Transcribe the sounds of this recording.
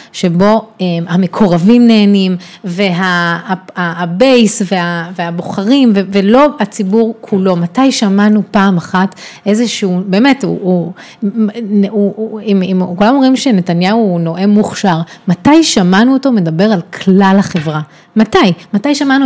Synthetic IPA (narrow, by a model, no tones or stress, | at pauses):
ʃe̞bo̞emamekʰo̞ʁavimne̞ːnim | ve̞ɦa | aːbe̞jsveaveabo̞χaʁimvevelo̞at͡sibuʁkʰulo̞matajʃamanupaːmaχatʔe̞zeʃeube̞ːmetṵu | uimimkulamomimʃe̞ne̞tanjauno̞ʔe̞muχʃaʁmatajʃamanuotome̞dabe̞ʁalkʰlalhaχe̞vʁa | matajmatajʃamanu